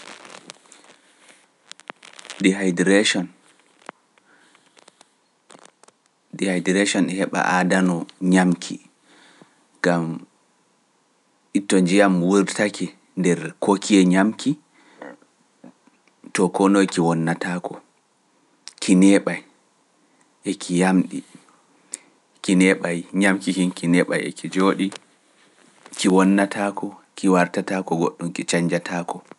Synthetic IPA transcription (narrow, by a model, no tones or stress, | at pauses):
diadɾʃɔn | dihajdɛɾeʃɔnɛhɛɓa̰ʔadanɔɲamkʰḭ | ɡ̥am | ʔitːɔnd͡ʒijamwuɾtʰakʰɛ | ndɛɾkʰokʰiɛɲamkʰi | tɔkɔnojkiwɔnːatakʰɔ | kʰinɛɓaj | ʔekʰijamɗi | kinɛɓajɲamkihinkinɛɓa̰jɛ̰kʰid͡ʒoːɗi | kiwɔnːatʰakʰɔkʰiwaɾtatakɔɡoɗːumkit͡ʃaɲd͡ʒatʰaːkɔ